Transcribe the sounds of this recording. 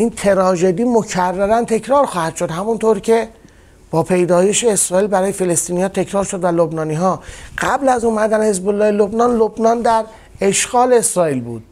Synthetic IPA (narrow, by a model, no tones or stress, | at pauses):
ʔint̪ʰe̞ɾɒːʒe̞d̪iːmo̞cʰærːæɾænt̪ʰe̞cʰɾɒːɾxɒːhæd̪̥ʃo̞d̪hæmunt̪ʰoɾcʰe̞ | b̥ɒːpʰe̞jd̪ɒːje̞ʃeːsɾɒːiːlbæɾɒːje̞fe̞le̞st̪iːniːhɒːt̪ʰe̞cʰɾɒːɾʃod̪vælobnɒːniːɦɒːɡ̥æblæzuːmæd̪ænhe̞zbolːɒːhelobnɒːnlobnɒːnd̪æɾ | e̞ʃɡɒːleesɾɒːiːlbṵːd̪̥̚